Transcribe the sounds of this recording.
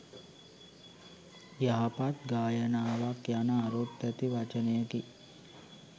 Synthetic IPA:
jaɦapat̪ɡaːjənaːʋakjanəaɾut̪ːæt̪iʋat͡ʃənejəki

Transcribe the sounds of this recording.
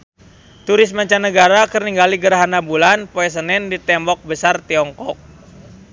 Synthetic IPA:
t̪uɾɪsmaɲt͡ʃanəɡaɾakərniŋɡaliɡəɾaɦanabulanpoɛs̬ənɛndit̪ɛmbɔk̚bəsart̪iɔŋkɔk̚

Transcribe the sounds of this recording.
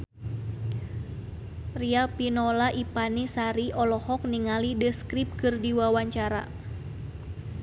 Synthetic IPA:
riapinɔlaʔipanisaɾiʔɔlɔhɔk̚niŋalidəskɾip̚kɨrdiwawaɲt͡ʃaɾa̰

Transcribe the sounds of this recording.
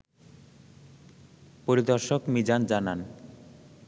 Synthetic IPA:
poɾid̪ɔɾʃokmid͡ʑand͡ʑanan

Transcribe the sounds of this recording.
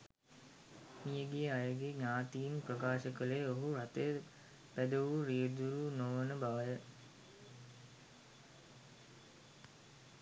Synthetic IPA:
mijəɡijəajəɡeɲaːt̪ijinprəkaːʃəkəlejoɦuɾat̪ejə | bæd̪əʋuɾijed̪uɾunoʋənəbaʋəjə

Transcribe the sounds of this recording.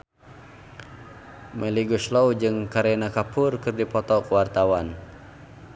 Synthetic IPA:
mʔɛliɡuslɔwd͡ʒɨŋkaɾɛnakapʰʊrkɨrdipɔt̪ɔkəwart̪awan

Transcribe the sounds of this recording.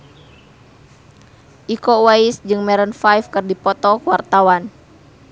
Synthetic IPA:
ʔikɔwaisd͡ʒɨŋmɛɾənfajfkɨrdipɔt̪ɔkuwart̪awan

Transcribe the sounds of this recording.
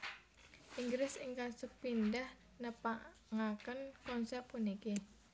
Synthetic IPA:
ʔiŋɡɾɪsɪŋkasəpindah | nəpaʔ | ŋakənkɔnsɛp̚ːuniki

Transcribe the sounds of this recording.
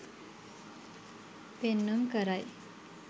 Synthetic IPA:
penːuŋkəɾaj

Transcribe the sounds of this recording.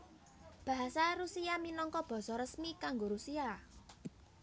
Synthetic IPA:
b̥ä̤ɦasaɾusiaminɔŋkɔb̥ɔ̤sɔɾəsmikaŋɡoɾusia

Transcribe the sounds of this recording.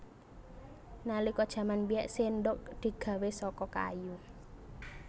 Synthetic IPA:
nalikɔd̥ʒ̥ä̤manbiɛʔsenɖʊk̚d̪̥i̤ɡ̥ä̤wesɔkɔka̰ju

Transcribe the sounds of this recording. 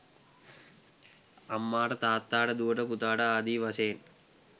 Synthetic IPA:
ɐmːaːʈɐt̪aːt̪ːaːɽɐd̪uʋɐʈɐput̪aːɽɐaːd̪iːʋɐseːn

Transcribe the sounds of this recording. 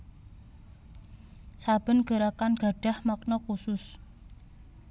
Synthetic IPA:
sab̥ə̤nɡ̥ə̤ɾakanɡ̥a̤ɖ̥a̤hmak̚nɔkusʊs

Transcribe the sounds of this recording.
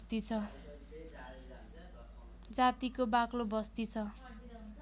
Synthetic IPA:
t̪it͡sʰʌ | d͡zat̪ikobaklobʌst̪it͡sʰʌ

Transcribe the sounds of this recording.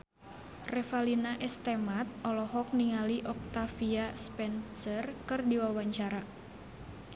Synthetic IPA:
rɛfalinaʔɛst̪ɛmat̪̚ɔlɔɦɔk̚niŋaliʔɔk̚t̪afiaspɛnsərkɨrdiwawaɲt͡ʃaɾa

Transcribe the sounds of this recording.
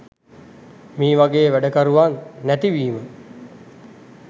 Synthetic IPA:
miːʋaɡeːʋæɖəkaɾuʋanːæt̪iʋiːmə

